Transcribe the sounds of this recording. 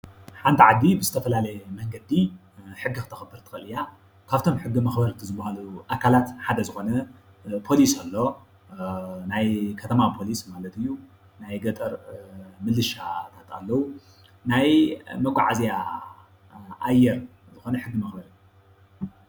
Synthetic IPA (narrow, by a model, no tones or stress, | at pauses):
ħant̪ʰiʕad̪ibɨzɨt̪ʰɐfɐlalɐjɛmɐŋɡɐd̪i | ħɨɡːikɨt̪ʰɐxɐbːɨɾt̪ʰɨ̥xɐlɨja | kʰaβt̪ʰo̞mħɨɡːimɐxbɐɾɨnt̪ʰizɨbːahaluʔakʰalat̪ħad̪ɐzɨxo̞nɐ | pʰo̞lisalːo̞ | najkʰɐt̪ʰɐmapʰo̞lismalɐt̪ɨjːu | najɡɐt̪ʼɐɾmɨlːɨʃat̪ʰat̪ʰa̰lːɐwu | najmɐɡʷʼa̰ʕazija | ʔajːɛɾ | zɨxo̞nɐħɨɡːɨmɐxbɐɾɨ